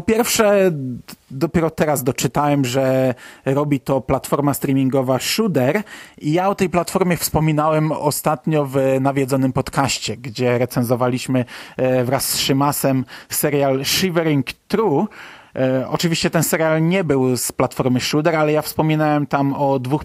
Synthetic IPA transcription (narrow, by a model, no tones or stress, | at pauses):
pɔpʲjɛɾfʂɛ | d̪ɔpʲjɛɾɔt̪ɛɾazd̪ɔt͡ʂɘt̪awɛmʐɛɾɔbʲit̪ɔplat̪fɔɾmast̪ɾʲimʲiŋɡɔvaʂud̪ɛɾijaɔt̪ɛjplat̪fɔɾmʲjɛfspɔmʲinawɛmɔ̰st̪at̪ɲɔvnavʲjɛd̪zɔnɘmpɔt̪kaɕt͡ɕɛɡd͡ʑɛɾɛt̪sɛnzɔvalʲiɕmɘvɾasːʂɘmasɛmsɛɾjalʂivɛɾiŋkt̪ɾu | ɔ̰t͡ʂɘvʲiɕt͡ɕɛt̪ɛnsɛɾjalɲɛbɘwsplat̪fɔɾmɘʂud̪ɛɾalɛjafspɔmʲinawɛmt̪amɔd̪vux